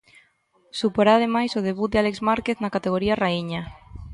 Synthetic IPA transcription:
supoɾað̞emajsoð̞eβut̪̚d̪ealekzmaɾkeθnakat̪eɣ̞oɾiaraiɲa

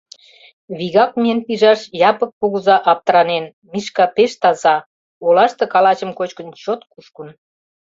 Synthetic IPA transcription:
βiɣɑk̚miənpiʒɑʃjɑpək̚puɣuzɑʔɑp̚t̪əɾɑnen | miʃkɑpeʃt̪ɑzɑ | olɑʃt̪ɤ̆kɑlɑt͡ɕə̆mkot͡ɕkə̆nt͡ɕot̪kuʃkun

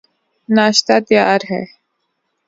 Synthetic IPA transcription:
naːʃt̪aːt̪jaːɾɦɛ̰ː

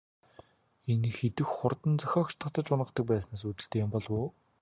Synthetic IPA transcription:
enxet̪ɘ̆xχʊrt̪ə̆nt͡sœxʲɔːkt͡ɕt̪ə̆χt̪ə̆t͡ɕʊnʁə̆χt̪ə̆k̚pæːsnaːs̬ut̪ɘ̆ɬt̪eːjʊ̆mpɔɮwʊː

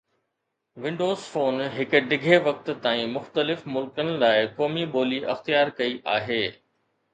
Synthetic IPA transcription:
ʋɪ̃ɳɖoːzfoːnɦɪkʊ̆ɖɪɡʱeʋɐk̚t̪̆t̪aːĩmʊxt̪əlɪfmʊlkənɪ̆laːɪkɔːmiɓoːliʔɐ̰xt̪ijaːɾkɐiʔaːɦeː

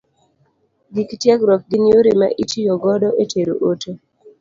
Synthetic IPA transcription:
ɡiktjɛɡɾɔf̚ɡinjoɾema̰ʔitijɔɡɔdɔʔetʰeɾo̰ʔotʰo

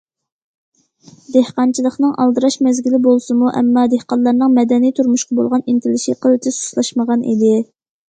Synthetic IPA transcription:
d̪ehqɑnt͡ʃʰilˠəχnɨŋʔɑ̰lˠd̪ɨɾɑʃmɛzɡʲilɪbolˠsɨmuʔɛ̰mːɑd̪ehqɑnlˠɑɾnɨŋmɛd̪ɛnijt̪ʰuɾmuʃqɑbo̰lˠʁɑnint̪ʰɪlɪʃiqʰəlˠɨt̪ʰɪsu̥ʃlˠɑʃməʁɑnḭd̪ɪ

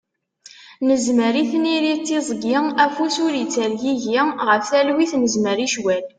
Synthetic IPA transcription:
nəzməɾiθniɾit̪ːizˤɡɪæfusʊɾit͡sːəɾjiʝiʁəfθælwiθnəzməɾiʃwæl

